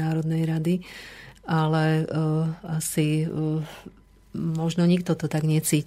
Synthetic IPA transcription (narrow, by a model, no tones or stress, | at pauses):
aːɾɔd̪nɛjɾad̪i | alɛ | asi | mɔʒnɔɲik̚t̪ɔt̪ɔt̪aɡɲɛt͡siː